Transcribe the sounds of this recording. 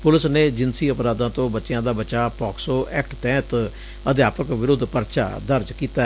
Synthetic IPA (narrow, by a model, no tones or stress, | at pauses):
pʊlɪsneːd͡ʒɪnsiːəpɾaːd̪ãːt̪õːbətːʃɪjãːd̪aːbət͡ʃaːpɔːksoːʔɛːk̚ʈt̪ɛ̃ːt̪ | əd̪jaːpəkʋɪɾʊd̪pəɾʃa̰ːd̪əɾd͡ʒkiːt̪a